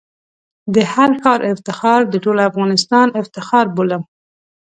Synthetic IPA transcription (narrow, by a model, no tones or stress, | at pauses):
d̪əhaɾkɑɾʔɪft̪ɪxɑɾd̪əʈolafɣɑnɪst̪ɑnɪft̪ɪxɑɾbolam